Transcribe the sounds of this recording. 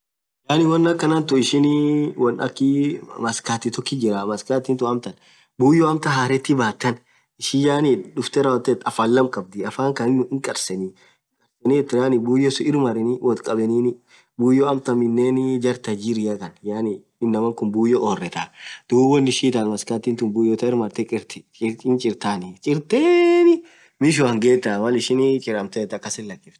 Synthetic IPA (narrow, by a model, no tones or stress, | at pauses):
jaːnɪwɔnːɐkːɐnɐnt̪ʊɪʃɪnwɔnɐ̰kːɪmɐskaːt̪ːɪt̪ɔkːɪd͡ʒɪɾamɐskaːt̪ɪnt̪ʊɐmt̪ɐn | buːjɔɐmt̪ɐɦaːɾɛt̪ːɪbaːt̪ːɐn | ɪʃɪjaːniᶑʊft̪ɛɾawɔt̪ːɛt̪ɐfɐlːɐmkʼɐb̚d̪ɪɐfaːŋkɐnɪnːʊɪŋkʼɐɾsɛni | ŋkʼɐɾsɛniɛt̪ːɪɾaːnɪbuːjːɔsʊɪɾmɐɾɛniwʔɔt̪kʼɐbɛniːn | buːjːɔɐmt̪ɐmɪnːeːnd͡ʒɐɾt̪ɐd͡ʒɪɾɪjɐkɐnjaːnɪ | ɪnːɐmɐŋkʊnbuːjːɔʔɔːrːɛt̪ad̪̥uːɔnːɪʃiːt̪anmɐskat̪ːint̪ʊnbuːjɔt̪ɐɪɾmɐɾt̪ɛkʼɪɾt̪ɪt͡ʃɪnt͡ʃʼɪɾt̪aːnɪt͡ʃʼɪɾt̪eːnɪ | mɪʃ̬ʊɐŋɡeːt̪ːamɐlɪʃɪnt͡ʃʼɪɾɐmt̪ɛɛt̪ːɐkːɐsɪlːɐkːɪft̪